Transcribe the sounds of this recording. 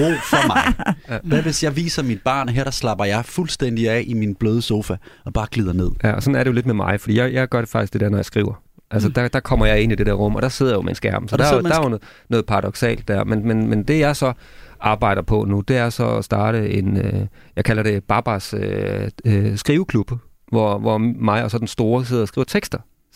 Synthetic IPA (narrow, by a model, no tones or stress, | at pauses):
o̰fɒmɑɪʋæʋesjɑɪʋḭːsɐmid̥̚b̥ɑ̰̈ːnɦeɐ̥ɑslɑ̈b̥ɐjɑ̈ɪfulsd̥en̰d̥iɛʔiminb̥løːð̞ˠəso̝ːfæɒ̽b̥ɑ̈ːɡ̥lið̞̰ˠɐne̝ð̞̰ˠjæɒsɒ̽næɐɾe̝jo̝le̝d̥memɑ̈ɪfɒ̽d̥ḭːjaɪjɑ̈ɪɡ̥ɶɐɾ̥e̝fɑ̈ɡ̥isɡ̥d̥ed̥ɛɐnɒjɑ̈ɪsɡ̥ʁḭːʊɐ | ʔælsəd̥ɑd̥ɑkʰɒ̽m̰ɐjɑ̈ɪe̝n̰id̥e̝d̥ɛɐʁɔ̽m̰ɒ̽d̥ɑ̈se̝ð̞̰ˠɐjo̝mensɡ̥æɐm̥m̩sɒd̥ɑdɑɐjonɔ̽ːð̩ˠpʰɑ̈ʁɑdɾɒ̽ɡ̥sɛ̰ːld̥ːæɐ̰menmenmend̥e̝jɑ̈ɪsɒ̽ | ʔɑ̈ːb̥ɑ̈ɪ̰ɾ̥ɐpʰɒ̽nud̥e̝æɐsɒ̽ɒsd̥ɑ̈ːɾ̥əe̝nøjɑɪkʰælɐɾe̝b̥ɑ̈b̥ɑsø | sɡ̥ʁiːʊəkʰlub̥ə | ʋɒʋɒmɑ̈ɪɒ̽sɒ̽d̥ensd̥o̝ːɐs̬eð̰ˠɒ̽sɡ̥iːʊɐ̥t͡sʰeɡ̥sd̥ɐ